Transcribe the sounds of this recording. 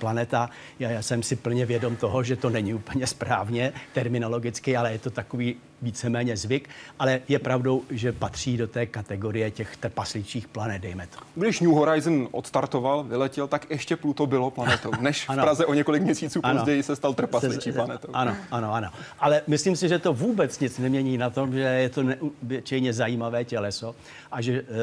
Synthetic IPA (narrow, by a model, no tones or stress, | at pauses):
planɛt̪a | jaːsɛmsɪpl̩ɲɛvjɛdo̞mt̪o̞ɦoʒɛt̪o̞nɛɲɪupl̩ɲɛspɾaːvɲɛt̪ɛɾmɪno̞lo̞ɡɪt͡skɪalɛjɛt̪o̞t̪akoviː | viːt͡sɛmɛːɲɛzvɪkʔalɛjɛpɾavdo̞wʒɛpat̪r̝̥iːdo̞t̪ɛːkat̪ɛɡo̞ɾɪjɛcɛxt̪r̩paslɪt͡ʃiːxplanɛt̪̚dɛjmɛt̪o̥ɡdɪʃɲuɦoɾajznʔo̰t̪st̪aɾt̪ovalvɪlɛcɛlt̪akjɛʃcɛplut̪obɪloplanɛt̪ownɛʃanopɾazɛʔoɲɛko̞lɪkmɲɛsiːt͡suːpaozɟɛjɪsɛst̪alt̪r̩paslɪt͡ʃiːlanɛt̪owʔanoanoʔano̞ʔalɛmɪsliːmsɪʒɛt̪o̞vuːbɛt͡sɲɪt͡snɛmɲɛɲiːnat̪o̞mʒɛjɛt̪o̞nɛʔubɪt͡ʃɛjɲɛzajiːmavɛːcɛlɛso̞ | ʔaʒɛ